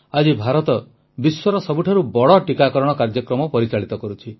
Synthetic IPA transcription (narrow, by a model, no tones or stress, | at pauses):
ad͡ʒibʱaɾɔt̪ɔ | biswɔɾɔsɔbuʈʰaɾubɔɽɔʈikakɔɾɔɽ̃ɔkaɾd͡ʒɔkɾɔmɔpɔɾit͡ʃaɭit̪ɔkɔɾut͡ʃʰi